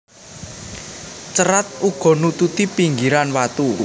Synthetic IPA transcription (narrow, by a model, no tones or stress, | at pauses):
t͡ʃəɾat̪̚uɡ̥ɔ̤nut̪ut̪ipiŋɡiɾanwat̪u